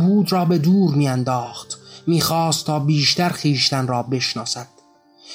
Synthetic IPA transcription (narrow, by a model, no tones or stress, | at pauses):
buːd̪rɒːbe̞d̪uːɾmiːænd̪ɒːχt̪miːxɒːst̪ʰːɒːbiːʃt̪æɾxiːʃt̪ænrɒːbe̞ʃnɒːsæd̪̥